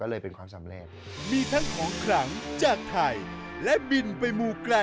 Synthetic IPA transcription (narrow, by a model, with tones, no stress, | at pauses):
kɔː˥˩lɤː˧jpe˧nkʰwaː˧msa˩˦mɾe˧˩t̪̚ | miː˧t̪ʰa˦˥ŋkʰɔː˩˦ŋkʰɾa˩˦ŋt͡ɕaː˨˩k̚t̪ʰa˧˩jlɛ˦˥bi˧npa˧jmuː˧kla˧